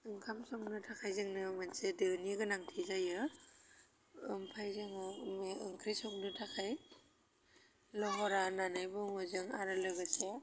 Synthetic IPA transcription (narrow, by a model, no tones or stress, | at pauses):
ɯŋkʰamsɔŋnɯtʰakʰajzɯŋnɯmansedɯniɡɯnaŋtʰizajɯ | ɯmpʰajzɯŋɯmeɯŋkʰɾisɔŋnɯtʰakʰaj | lɔɦɔɾananajbɯŋɔzɯŋaɾɯlɯɡɯse